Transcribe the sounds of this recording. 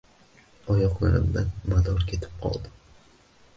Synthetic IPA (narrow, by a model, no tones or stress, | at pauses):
ɒjɒqlˠaɾɪ̰md̪anmad̪ɒɾkʲʰe̞t̪ʰɪ̥p̚qʰɒ̰lˠd̪ɪ